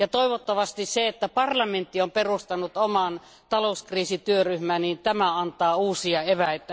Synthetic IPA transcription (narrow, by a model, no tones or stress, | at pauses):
jɑt̪oiʋot̪ːɑʋɑst̪isseet̪ːæpɑrlɑment̪ːiomperust̪ɑnːut̪omɑn | t̪ɑlouskriːsit̪yøryhmæːnnint̪æmæɑnt̪ˑɑːuːsiɑeʋæit̪ːæ